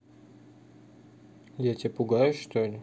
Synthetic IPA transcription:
jatʲipʊɡajʊʂt̪olʲɪ

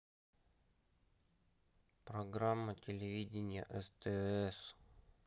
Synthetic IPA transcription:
pɾɐɡɾamːətʲɪlʲɪvʲidʲɪnʲɪjə̰ʔɛst̪əɛs

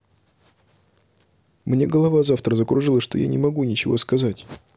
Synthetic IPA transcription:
mnʲe̞ɡəlˠɐvazaft̪ɾəzəkɾʊʐɨlˠəʂt̪o̞ja̰nʲɪmɐɡunʲɪt͡ɕɪvo̞̰skɐzatʲ

